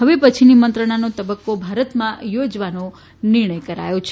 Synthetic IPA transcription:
ɦəʋepət͡ʃʰinimənt̪ɾəɽ̃anot̪əbəkːobʱaɾət̪mãjod͡ʒʋano | nɪɾɳəjkəɾa̰jot͡ʃʰe

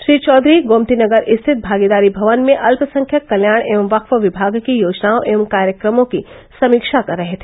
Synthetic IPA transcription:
ʃɾiːt͡ʃɔːd̪ɾiɡoːmt̪inɐɡəɾʔɪst̪ʰɪt̪̚bʱaːɡid̪aːɾibʱɐʋənmẽʔɐlpsɐ̃ŋkʰjəkːɐljaːɽ̃eːʋəmʋɐkʰʋəʋɪbʱaːɡkijoːd͡ʒnaoʔeːʋəmkaːɾjəkɾəmõki | sɐmiːkʃakɐɾːɐɦet̪ʰeː

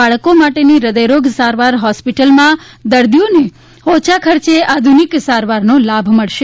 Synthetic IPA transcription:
aɭkomaʈeniɾəd̪əjɾoɡsaɾʋaɾɦɔspiʈəlmã | d̪əɾd̪june | hot͡ʃʰakʰəɾt͡ʃead̪ʱuniksaɾʋaɾnolabʱməɭʃe

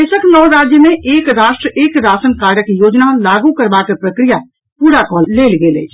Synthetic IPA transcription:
eːʃəknɔːɾaːd͡ʒjəmẽʔeːkɾaːʃʈɾəʔeːkɾaːsənkaːɾjəkjoːd͡ʒnalaːɡukɐɾbakəpɾɐkɾija | puːɾakɔːlːeːlɡeːlḛː

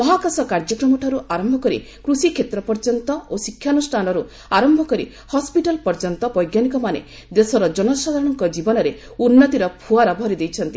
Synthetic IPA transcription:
mɔɦakasɔkaɾd͡ʒɔkɾɔmɔʈʰaɾuʔaɾɔmbʱɔkɔɾḭ | kɾusikʰet̪ɾɔpɔɾd͡ʒɔnt̪ɔosikʰːjanusʈʰanɔɾu | aɾɔmbʱɔkɔɾḭ | hɔspiʈalpɔɾd͡ʒɔnt̪ɔbɔjɡjanikɔmanḛ | d̪esɔɾɔd͡ʒɔnɔsad̪ʱaɾɔɽ̃ɔŋkɔd͡ʒibɔnɔɾe | unːɔt̪iɾɔpʰuaɾɔbʱɔɾid̪ejt͡ʃʰɔnt̪i

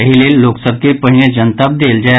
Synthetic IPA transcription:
əɦilelːoːksəb̚kipəɦined͡ʒənt̪əb̚d̪eːld͡ʒa

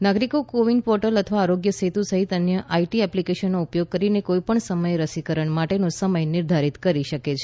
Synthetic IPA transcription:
naɡɾikokoʋiŋɡpɔɾʈələt̪ʰəʋaːɾoɡjəset̪usəɦit̪ənjəʔaiʈiɛplikeʃənːoupjoɡ̚kəɾinekojipəɳsəməjɾəsikəɾəɳmaʈenosəməjnɪɾd̪ʱaɾit̪kəɾiʃəket͡ʃʰe

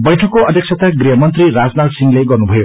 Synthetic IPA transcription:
bʌjʈʰʌkːoʌd̪ʱek̚sʰʌt̪aɡriɦʌmʌnt̪riɾad͡znatsiŋleɡʌrnubʱʌjo

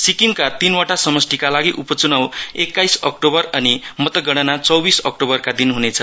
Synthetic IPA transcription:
sikiŋkat̪inwaʈasʌmʌsʈ̪ikalaɡiʔupʌt͡sunawekːajsʌkʈobʌrʌnimʌt̪ʌɡʌɽ̃ʌnat͡sʌwbisʌk̚ʈobʌrkad̪inɦunet͡sʰʌ

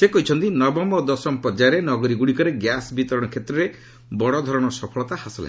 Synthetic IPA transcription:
sekɔɦit͡ʃʰɔnt̪inɔbɔmɔd̪ɔsɔmpɔɾd͡ʒaɾenɔɡɔɾiɡuɽikɔɾeɡjasbit̪ɔɾɔɽ̃ɔkʰet̪ɾɔɾe | bɔɽɔd̪ʱɔɾɔɽ̃ɔsɔpʰɔɭɔt̪ahasɔla̰

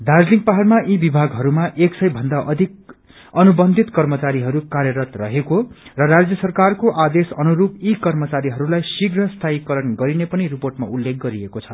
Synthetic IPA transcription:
d̪ard͡zliŋɡ̚paɦarmaʔibibʱaɡɦʌɾumaʔeksʌjbʱʌnd̪aʔʌd̪ʱik̚ | ʌnubʌnd̪ʱit̪kʌrmʌt͡saɾiɦʌɾukaɾjʌɾʌt̪rʌɦekorʌɾad͡zjʌsʌrkarkoʔad̪esʌnuɾupikʌrmʌt͡saɾiɦʌɾulajsiɡrʌst̪ʰaikʌɾʌnɡʌɾinepʌniriporʈma̰ulːek̚ɡʌɾiekot͡sʰʌ

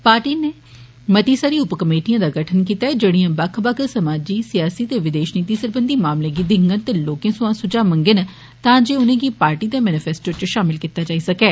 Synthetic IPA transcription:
paːɾʈiːneː | mət̪iːsaɾiːʊpkəmeːʈijãːd̪aːɡəʈʰənkiːt̪aːɛd͡ʒeːɽiãːbakʰbakəɾsəmaːd͡ʒiːsɪjaːsiːt̪eːʋɪd̪eːʃniːt̪iːsəɾbənd̪iːmaːmlẽːɡiːd̪ɪ̃ŋɡənt̪eːloːkẽːsʊãːsʊd͡ʒaːmə̃ŋɡən | t̪ãːd͡ʒeːʊnẽːɡiːpaːɾʈiːd̪eːmɛːnɪpʰɛːsʈoːt͡ʃʃaːmɪlkiːt̪aːd͡ʒaːiːsəkɛː

